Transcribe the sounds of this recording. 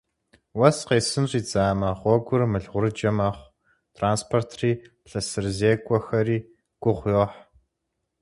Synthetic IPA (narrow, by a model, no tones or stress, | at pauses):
wɐsqeːsɨnriːd͡zaːmɐʁʷɔɡʷʊrmɨɮʁʷʊɾɨd͡ʒɐmɐχʷ | tʰraːnspʰortʰriːpɬɐsɨrzeːkʷʼɔxɐriː | ɡ̥ʷʊʁʷjoːħ